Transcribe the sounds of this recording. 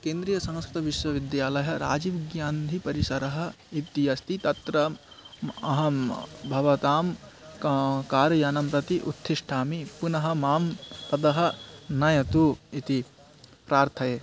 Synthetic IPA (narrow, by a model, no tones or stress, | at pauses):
keːnd̪ɾijɐsɐ̃ŋskɾɪt̪ɐʋiʃwɐʋid̪jaːlɐjɐ̆ɾa̰ːd͡ʒiʋiɡjaːnd̪ʱipɐɾisɐɾɐɦɐ̆ | it̪ijɐst̪ʰit̪ɐt̪ɾɐ | ɐɦɐmbʱɐʋɐt̪aːm | kaːɾɐjaːnɐmpɾɐt̪iʔṵt̪ʰːiʂʈʰaːmipunɐɦɐ̆maːmpɐd̪ɐɦɐ̆nɐjɐt̪uit̪i | pɾaːɾt̪ʰɐjeː